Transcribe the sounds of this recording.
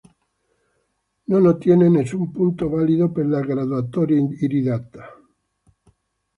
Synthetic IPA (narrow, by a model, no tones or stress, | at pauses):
nonot̪jenenesumpunt̪oβaliðopelaɣɾaðwat̪oɾiɾiðat̪ḁ